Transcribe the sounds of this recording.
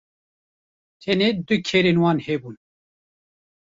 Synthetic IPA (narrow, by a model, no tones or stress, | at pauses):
t̪ʰɛned̪ɨkʰeɾenwɑːnhebun